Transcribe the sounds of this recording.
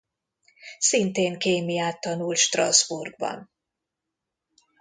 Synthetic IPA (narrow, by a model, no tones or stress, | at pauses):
sint̪eːŋkeːmijaːt̪ːɒnult̪ʃt̪rɒzburɡ̚bɒ̰n